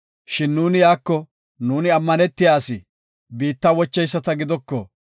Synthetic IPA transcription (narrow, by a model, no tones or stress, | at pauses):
ʃɪnːuːnɪjaːkːɔ | nuːnɪɐmːɐnɛt̪ːɪjaːsɪ | biːt̪ːawɔt͡ʃːɛjsːɐt̪ɐɡɪd̪ɔkːɔ̰